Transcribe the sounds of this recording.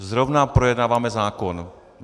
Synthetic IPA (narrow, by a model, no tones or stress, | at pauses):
zɾɔʊnapɾɔjɛd̪naːʋamɛzaːkɔn